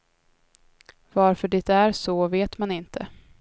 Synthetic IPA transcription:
vaɾfœɖɪt̪æɾsɔveːt̪manɪnt̪ʰə̰

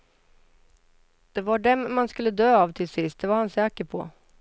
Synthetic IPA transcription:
d̪̥ɛvaɖɛmːanskɵlːəd̪øːɑːvt̪ʰɪlsɪst̪̚d̪ɛvaɾhansɛːkəɾpʰɔ̰

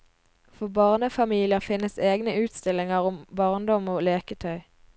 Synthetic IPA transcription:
fɔʁbɑʁnəfɑmiːlɪəʁfɪnəseːɡnəʔʉːt̪st̪ɪlɪŋəʁʊmbɑʁnd̪ɔmoːleːkət̪ʰœʏ

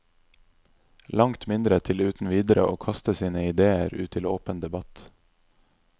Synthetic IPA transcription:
lɑŋt̪mɪnd̪ɾət̪ʰɪlʉːt̪n̩ʋiːd̪əɾə̰ʔoːkʰɑst̪əsiːnəɪd̪eːəɾʉ̰ːt̪t̪ʰɪloːpənd̪ɛbɑt̪

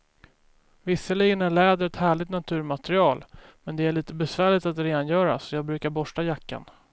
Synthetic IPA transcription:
vɪsːəliːɡənæɭɛːd̪əɾɛt̪hæːɭɪɡ̚t̪nat̪ʰʉ̟ːɾmat̪ɾɪɑːlmɛnd̪ɛæɭiːt̪əbɛsvæːɭɪt̪at̪ɾeːd̪anjœːɾa̰sɔjɑːɡbɾʉ̟ːkaɾbɔʂʈajakːa̰n

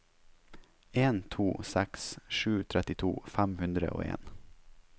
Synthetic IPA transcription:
eːnt̪ʰuːsɛksʂʉːt̪ʰɾɛt̪ɪt̪ʰṵːfæmhʉnd̪ɾə̰ʔo̰ːḛːn

